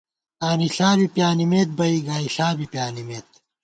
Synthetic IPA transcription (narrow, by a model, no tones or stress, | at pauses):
aːniɬaːbipjaːnimeːt̪̚bɐiɡaːiɬaːbipjaːnimeːt̪̚